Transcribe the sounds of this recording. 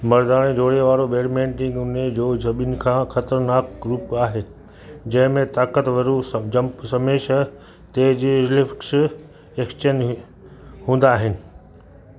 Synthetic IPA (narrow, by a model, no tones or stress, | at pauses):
mɐɾd̪aːɽ̃ẽd͡ʑʱoːɽeʋaːɾobeːɾmẽːɳʈɪ̃ŋɡʊned͡ʑoːd͡ʑʱɐɓinɪ̆kʰãːxɐt̪əɾnaːk̚ɾuːpaːɦeː | d͡ʑɐ̃ɦɪ̃mẽt̪aːkət̪ʋɐɾud͡ʑɐ̃mpsɐmeːʃɐ | t̪eːɦd͡ʑiːɾlɪfks | eːkst͡ɕən | ɦũːn̆d̪aːɦɪnɪ̆